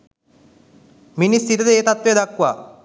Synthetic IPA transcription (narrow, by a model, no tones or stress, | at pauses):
minist̪iɾɐd̪eeːt̪at̪ʋed̪akwa̰